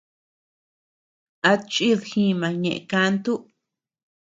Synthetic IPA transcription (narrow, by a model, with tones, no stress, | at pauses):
a˧t͡ʃʼi˦ðxĩ˧mã˨ɲḛ̃˨ʔka˧˦nt̪u˦